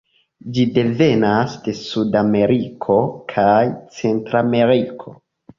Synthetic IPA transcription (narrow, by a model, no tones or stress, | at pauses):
d͡ʒide̞ve̞nasde̞sudame̞ɾikʰo̞kʰajt͡se̞ntɾame̞ɾikʰo̞